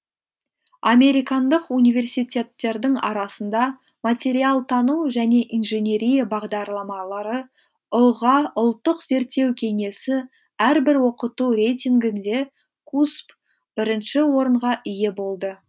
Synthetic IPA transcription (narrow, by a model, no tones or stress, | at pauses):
ame̞ɾijkɑnd̪əqunijve̞rsijt̪ʲe̞t̪ːe̞ɾd̪ɪŋɑ̰ɾɑsənd̪ɑ | mat̪ʲe̞ɾialˠt̪ʰɑnuʒæne̞ʔinʒe̞nʲe̞ɾijabɑʁd̪ɑɾlˠɑmɑlˠɑɾə | ʊʁɑʊlˠt̪ːəqze̞ɾt̪ːe̞wkʲʰe̞ŋe̞sɪ | æɾbɪɾwo̞qət̪uɾe̞jt̪ʲiŋɡʲɪnd̪e̞ | kʰusp | b̥ɪɾɪnʃɪwo̞ɾəɴʁɑʔɪje̞bo̞lˠd̪ə